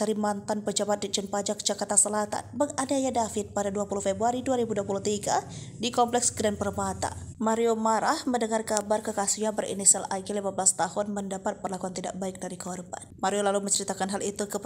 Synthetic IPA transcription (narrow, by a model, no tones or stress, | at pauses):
aɾimant̪anpəd͡ʒabat̪̚did͡ʒənpad͡ʒak̚d͡ʒakart̪asəlat̪a̰nbəŋadajadafɪt̪̚padaduapuluhfebɾuaɾiduaɾibuduapuluht̪iɡadikɔmplɛksɡɾanpərbat̪a̰maɾiomaɾahməndəŋarkabarkəkasiɲabərʔḭnisialʔaɡelimabəlast̪ahʊnməndapat̪̚pərlakuant̪idaʔbaɪk̚daɾikəɦɔrba̰nmaɾiolaluməɲt͡ʃəɾit̪akanɦalit̪ukə